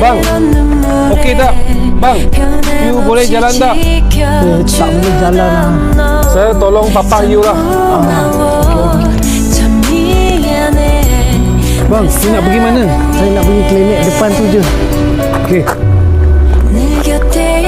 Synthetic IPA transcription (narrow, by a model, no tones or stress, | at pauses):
baŋŋ | okedaʔ̚ | baŋ | jubolɛhd͡ʒalandaʔ | də | t̪aʔbiləhd͡ʒalana | sajat̪olɔŋpapaŋjulah | a | keok | baŋsunaʔbəɡimana | sajənaʔbəɡiklamɛk̚dəpant̪ud͡ʒə | oke